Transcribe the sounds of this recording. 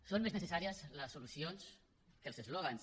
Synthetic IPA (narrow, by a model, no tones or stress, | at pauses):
sonmeznesesaɾiəsləsːolusjons | kelˠsezloɣans